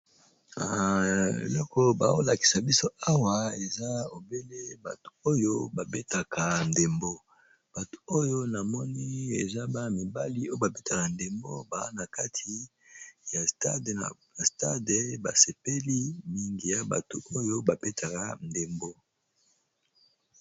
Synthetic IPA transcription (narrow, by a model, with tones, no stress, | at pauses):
a˨ḛ˨lɔ˦kɔ˦ba̰˨o˦la˨ki̥˨sa˨bi˦so˦a˦wa˨e˨za˦o˨be˦le˦ba̰˨to̥˨o˦jo˦ba˨be˦ta˨ka˨n˨de˨mbo˦ | b̥a˨to̥˨o˦jo˦na˨mɔ˦ni˦ḛ˨za˦ba˦mi˨ba˦li˦o˦jo˦ba˨be˦ta˨ka˨nde˨mbo̰˦ba˨a˦na˨ka˦tʰi˦ | ja˨sta˦d | a˨sta˦de˨ba̰˨se˨pe˦li˦mi˦ŋɡi˨ja˨ba̰˨to˨o˦jo˦ba˨be˦tʰa˨ka̰˨nde˨mbo˦